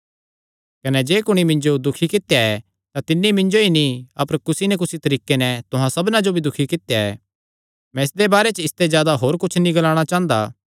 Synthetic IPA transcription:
kɐnɛd͡ʒeːkʊɽ̃imɪ̃ɲd͡ʒod̪ʊkʰikɪt̪jaɛ | t̪at̪ɪnːimɪ̃ɲd͡ʒoinĩɐpəɾkʊsinɛk̬ʊsit̪ɐɾiːkenɛt̪ʊɦãsɐbnãd͡ʒobʱid̪ʊkʰikɪt̪jaɛ̰ | mɛ̃ɪsd̪ebaːɾɛt͡ʃɪst̪ɛzjaːd̪aɦoːɾkʊt͡ʃʰnĩɡɐlaːɽ̃at͡ʃãːnd̪a̰ː

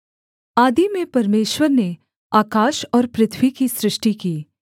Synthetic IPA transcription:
aːd̪imẽpɐɾmeːʃwəɾne | aːkaːʃɔːɾpɾɪt̪ʰwikisɾɪʃʈikiː

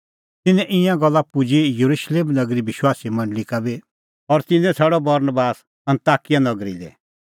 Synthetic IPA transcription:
t̪ɪnɛʔɪ̃jãɡɔlːapʊd͡ʒijɐɾuʃleːmnɐɡɾibɪʃwaːsimɐ̃ɳɖlikabi | ɔɾt̪ɪnɛ̃t͡sʰɛːɽɔbɐɾnbaːs | ɐ̃nt̪aːkijanɐɡɾḭlɛ̰

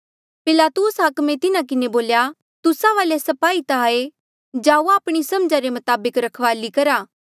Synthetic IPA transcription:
pɪlaːt̪ʊsɦɐkmẽt̪ɪnãk̬ɪneboːlja | t̪ʊsaʋaːlesɐpaːit̪aaːe | d͡ʒaːuaːpɽ̃isɐmd͡ʒaɾemʊt̪aːbəkɾɐkʰʋaːlikɐɾaː

